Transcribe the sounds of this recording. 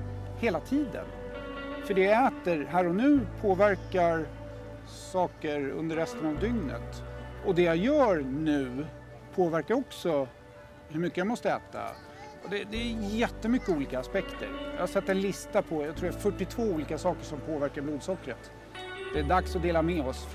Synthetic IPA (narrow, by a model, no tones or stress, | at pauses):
heːlat̪ʰiːd̪ə̰nfœɖɛjɛːt̪əɾɦæːɾɔnʉ̟ːpʰoːvæɾkaɾ | sɑːkəɾɵ̰nd̪əɾɛst̪ənavd̪ʏŋnə̰t̪ɔd̪ɛjajœːɾnʉ̟ː | pʰoːvæɾkaɾɔksɔ | hɵɾmʏkːəjamɔst̪əɛ̰ːt̪a̰ | ɔd̪ɛd̪ɛːjɛt̪ːəmʏkːəuːliːkaːspɛkt̪ə̰ɾja̰hasɛt̪ːɛnlɪst̪apʰɔjat̪ʰɾuːɾafœʈːɪt̪ʰvoːuːliːkasɑːkəʂɔmpʰoːvæɾkaɾbluːd̪sɔkːɾət̪ | d̪̥ɛæɖaksɔd̪eːlamɛɔs